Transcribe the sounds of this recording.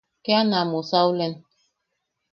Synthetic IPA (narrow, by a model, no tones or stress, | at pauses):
kɛanamosawulɛn